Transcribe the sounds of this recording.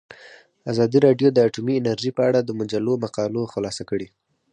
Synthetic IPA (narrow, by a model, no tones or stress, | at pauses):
azɑd̪iɾɑɖjod̪əaʈumiɪnaɾʒipəaɽad̪əmʊd͡ʒalomaqɑloxʊlɑsakəɽe